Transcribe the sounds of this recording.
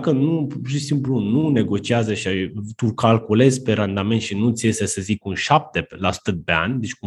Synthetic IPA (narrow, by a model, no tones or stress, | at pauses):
kənupuʃisimplunune̞ɡo̞t͡ʃiazəʃiat̪ukalkule̞zʲpe̞ɾand̪ame̞nt̪ʃinut̪sʲje̞sesəzikunʃap̚t̪e̞lasu̥t̪ət̪̚pe̞a̰nʲd̪e̞t͡ʃʲku